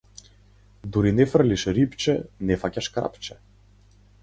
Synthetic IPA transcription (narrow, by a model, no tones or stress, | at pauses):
d̪uɾinɛfr̩liʃɾipt͡ʃɛnɛfacaʃkɾa̰pt͡ʃɛ